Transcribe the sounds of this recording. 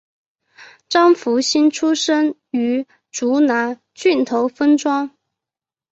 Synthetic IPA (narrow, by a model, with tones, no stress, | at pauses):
ʈ͡ʂɑ˥ŋfu˧˥ɕi˥nʈ͡ʂʰu˥ʂə˥ŋ | y˧˥ | ʈ͡ʂu˧˥na˧˥ | t͡ɕy˥˩nt̪ʰo˧˥ʊfə˥nʈ͡ʂwɑ˥ŋ